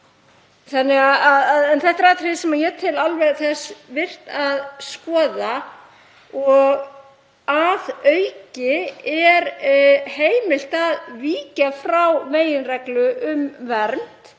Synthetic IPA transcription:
θanːɪɣaaðaðɛnθɛht̪aɾaːt̪ʰɾɪsɛmajɛt̪ʰɪlalvɛɣθɛsvɪr̥t̪aðskɔːða | ɔɣ | aðœɥcɪɛɾheːjmɪl̥t̪aðviːcafɾawveːjɪnrɛklʏʔʏmvɛɾnt̪

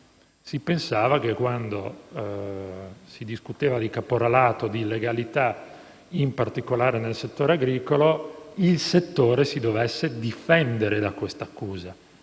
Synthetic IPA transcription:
sipensaːvak̟ekːwand̪o | sid̪iskut̪eːvad̪ikapoɾalaːt̪od̪ilːeɡalit̪a | impart̪ikolaːɾenelset̪ːoːɾeaɡɾiːkoloilset̪ːoːɾesid̪ovesːed̪ifɛnd̪eɾed̪akwest̪akːuːza

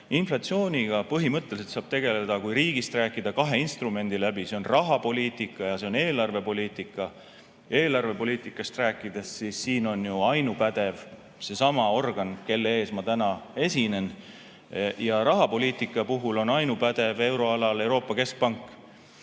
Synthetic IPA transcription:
inflɑt̪sioːnʲiɡ̥ɑpɤɦimɤt̪ˑːeliset̪sɑːb̥̚t̪e̞ɡ̥e̞le̞d̪̥ɑkujɾiːɡ̥ist̪ræːkːˑid̪̥ɑkɑɦe̞inst̪rume̞nd̪̥ilæbise̞onrɑɦɑpo̞liːt̪ˑikːˑɑjɑse̞o̞ne̞ːlɑrve̞po̞lʲiːt̪ˑikːˑɑ | e̞ːlɑrve̞po̞liːt̪ˑikːˑɑst̪ræːkːˑid̪̥e̞sːisːiːno̞njuɑjnupæd̪̥e̞v | se̞sɑmɑo̞rɡ̥ɑnke̞lːee̞ːsmɑt̪ænɑe̞sine̞n | jɑɾɑɦɑpo̞liːt̪ˑikːˑɑpuɦulo̞nɑjnupæd̪̥e̞ve̞wɾo̞ɑlɑle̞wɾo̞ːpːˑɑke̞sk̚pɑŋkːˑ

